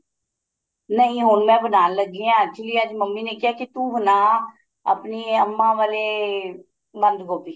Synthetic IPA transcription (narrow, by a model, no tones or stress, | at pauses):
nəĩːɦʊɳmɛ̃ːbənaːnləɡːeːãːt͡ʃɪliːəd͡ʒməmːiːneːkɪɦaːkɪt̪uːbənaː | ə̰pniːəmːãːʋaːleː | bə̃nd̪ɡoːpiː